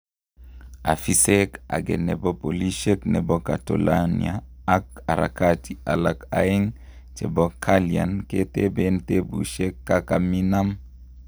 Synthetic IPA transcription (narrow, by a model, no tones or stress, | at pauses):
afiseka̰ɡḛnɛbɔpoliʃeknɛbɔkato̰lanḭaː | k̚aɾa̰katʰia̰laka̰iŋ | t͡ʃɛbɔkʰalia̰nketebentebṵʃekːakaminam